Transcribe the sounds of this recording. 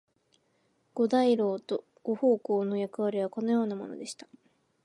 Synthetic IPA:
ɡ̥o̞d̪aiɾo̞ːt̪o̞ | ɡ̥o̞ho̞ːkoːno̞jakɯ̟β̞aɾʲiβ̞ako̞no̞jo̞ːnamo̞̰no̞̰d̪e̞ɕi̥t̪ḁ

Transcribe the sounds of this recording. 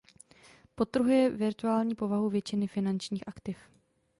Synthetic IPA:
po̞t̪r̩ɦujɛvɪɾt̪uaːlɲiːpo̞vaɦuvjɛt͡ʃɪnɪfɪnant͡ʃɲiːxʔakt̪ɪf

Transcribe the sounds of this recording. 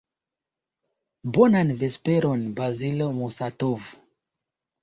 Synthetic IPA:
bonanvespeɾonbɾazilomusatov

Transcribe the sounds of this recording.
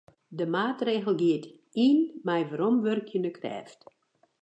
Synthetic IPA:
dəmaːtreːɣəl̩ˠɡiət | iːnmɛjʋaɾɔmʋørkʰjənəkʰrɛ̰ːft

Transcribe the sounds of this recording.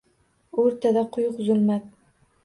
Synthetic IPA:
ɵɾt̪ʰad̪aqʰʊjʊqzʊlmæt̪̚

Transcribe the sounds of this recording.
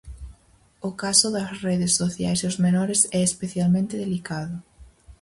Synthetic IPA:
ʊkasʊðɐsreðesːoθjajseozmenɔɾesɛespeθjalmẽnt̪ɪðelikaðʊ

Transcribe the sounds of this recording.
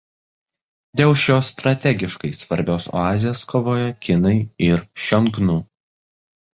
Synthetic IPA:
d̪ʲeːlˠʃʲoːst̪ɾɐt̪ʲɛɡʲɪʃkɐɪsʋɐɾʲbʲoːso̰ɑːzʲɪjoːskoːʋoːjɛkʲɪnɐɪɪɾʃʲɔŋɡnuː

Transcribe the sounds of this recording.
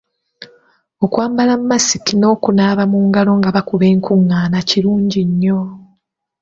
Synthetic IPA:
okwaːmbalammːasikino̞ːkunaːβamuːŋɡalo̞ŋɡaβakuβe̞ːŋkʰuŋːaːnaciɾuːɲɟiɲːo̞

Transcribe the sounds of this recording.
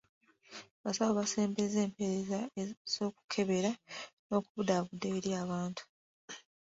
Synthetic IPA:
βasawoβase̞ːmbeze̞ːmpe̞ɾezaez̥o̞ːku̥kʰe̞βe̞ɾano̞ːkuβudaβudːeːɾijaːβaːntʰu̥

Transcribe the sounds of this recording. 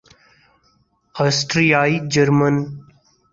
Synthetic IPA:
asʈɾijaːid͡ʒəɾmən

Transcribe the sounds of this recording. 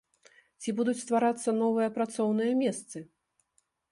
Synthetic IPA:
t͡sʲibud̪ut͡sʲst̪vaɾat̪sːɐnɔvɨjɐpɾat̪sɔwnɨjɐmʲɛst̪sɨ

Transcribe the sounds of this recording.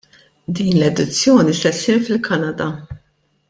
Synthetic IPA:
d̪iːnlɛd̪ɪt͡sːjɔːnisɛt̪sɪɾfɪlkʰɐnɐd̪ɐ

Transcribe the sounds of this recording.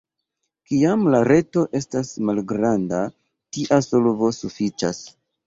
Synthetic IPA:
kiamlaɾe̞to̞ʔe̞stasmalɡɾanda | tiʔaso̞lvo̞sufit͡ʃa̰s

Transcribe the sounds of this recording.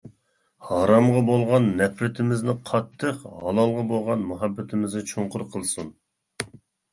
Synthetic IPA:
hɑɾɑmʁɑbolˠʁɑnːɛpɾɪt̪ʰɪmɪznɪqʰɑt̪ʰːəqhɑlˠɑlˠʁɑbolˠʁɑnmuɦɑbːɪt̪ʰɪmɪznɛt͡ʃʰoɴqʊɾqʰəlˠsun

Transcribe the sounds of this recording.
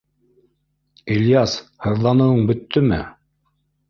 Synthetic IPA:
ilʲjɑshɤ̆ɾðlˠɑnɤ̆wɤɴbɵ̆t̪ːɵmɘ̰

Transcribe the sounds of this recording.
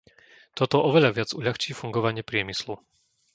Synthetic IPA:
t̪ɔt̪ɔʔɔʋɛʎaʋɪad͡zuʎaxt͡ʃiːfuŋɡɔʋaɲɪɛpɾɪɛmislu

